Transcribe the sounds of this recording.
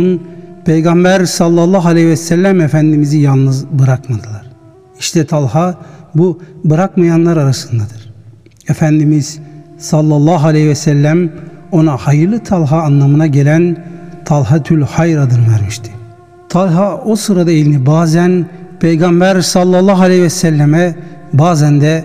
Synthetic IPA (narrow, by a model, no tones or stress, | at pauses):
mpʰejɡɑmbæɾsɑlˠːɑlˠːɑɦalʲejiɛsælʲːæmefænd̪imizijalˠnɯzbɯɾakmad̪ɯlˠaɾ | iʃt̪ʰɛt̪ʰalˠɦabubɯɾakmajanlˠaɾaɾasɯnd̪ad̪ɯɾ̥ | efænd̪imiz̥sɑlˠːɑlˠːɑɦalʲehivɛsælʲːæmo̞nahajɯɾlˠɯt̪ʰalˠɦaːnlːˠamɯnaɟelʲænt̪ʰalˠɦat̪ʰylʲhajɾad̪ɯnvɛɾmiʃt̪ʰi̥ | t̪ʰalˠɦaosɯɾad̪aelʲinibaːzænpʰejɡambæɾsɑlˠːɑlˠːɑɦalʲehvɛsælʲːɛmɛbaːzænd̪ɛ